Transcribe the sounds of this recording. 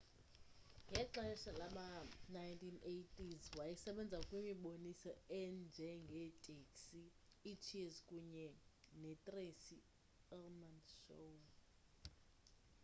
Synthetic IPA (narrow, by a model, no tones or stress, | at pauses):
ŋɡʱɛǁaɛʃalaɓanajntʰinejtʼizwajisɛɓɛnd͡zʱakʼwimiɓonisɔɛnd͡ʒʱɛŋɡʱɛtʼeksiːt͡ʃʰiezkʼuɲɛnɛtʼresi | ɛlmanʃown